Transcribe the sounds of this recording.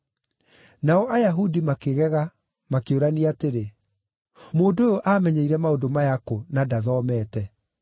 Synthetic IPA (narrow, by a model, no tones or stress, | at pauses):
naɔʔajaɦudimakeɣɛɣa | makeoɾaniateɾe | moːndoojoʔamɛɲeiɾɛmaodomajakonadaðɔːmɛːtɛ